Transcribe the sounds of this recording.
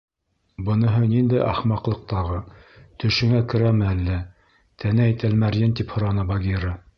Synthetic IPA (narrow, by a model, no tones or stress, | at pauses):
bɤ̆nɤ̆ɦɤnind̪ɘʔɑχmɑqlˠɤ̆q̚t̪ɑʁɤt̪ɵ̆ʃɘ̆ŋækɘ̆ɾæmɘælːæ | t̪ʰænææjt̪ælmæɾjɘnt̪iphŏɾɑnɤbɑɡiɾɤ